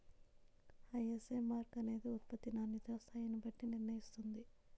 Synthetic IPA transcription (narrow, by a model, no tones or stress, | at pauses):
ɐjeseːmaːɾkɐne̞ːd̪eut̪̚pɐt̪ːinaːnit̪ɾɐst̪ʰaːjɐnubɐʈːiniɾnɐjist̪und̪i